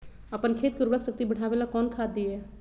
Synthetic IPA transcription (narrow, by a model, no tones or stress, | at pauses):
əpənkʰeːt̪̚kəɾbəksək̚t̪ibəɽ̤aːbelakɔːnkʰaːd̪iɛ